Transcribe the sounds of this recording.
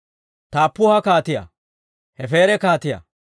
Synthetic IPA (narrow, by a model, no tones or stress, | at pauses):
t̪aːpːʊhɐkaːt̪ɪjɐ̰ | hɛfe̞ːɾɛkaːt̪ɪjɐ̰